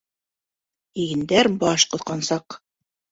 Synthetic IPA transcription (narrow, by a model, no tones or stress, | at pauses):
iɡɘ̆nd̪æɾbɑʃqŏθqɑnsɑq